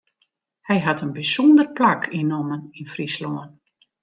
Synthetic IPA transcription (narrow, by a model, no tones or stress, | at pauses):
hɛjɦatənbisɔndərplakʰinoməninfrisloən